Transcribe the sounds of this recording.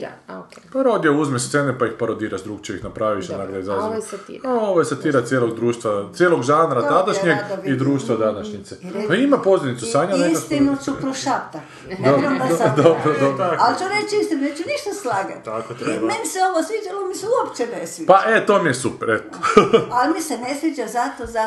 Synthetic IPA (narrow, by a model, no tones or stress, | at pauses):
paɾod̪jouzmest̪enepaixpaɾod̪iːɾaʃd̪ɾuːɡt͡ʃeixnapɾaːʋiʃonaɡlaizaz̰aoʋojesat̪iːɾasjeloɡd̪ɾuːʃt̪ʋat̪sjeːloɡʒaːnɾat̪ad̪aʃɲeɡid̪ɾuːʃt̪ʋad̪anaʃɲit̪sepaimapozenit̪susaɲanekakt̪imosupɾoʃat̪a | d̪obd̪obɾod̪obɾoalt͡ʃoɾet͡ʃist̪imneːt͡ʃuniʃt̪aslˠaːɡa̰t̪k̪meniseoʋosʋit͡ʃaomiseuopt͡ʃenesʋipaʔet̪oːmijesupeɾet̪o̥almisenesʋit͡ʃazat̪oza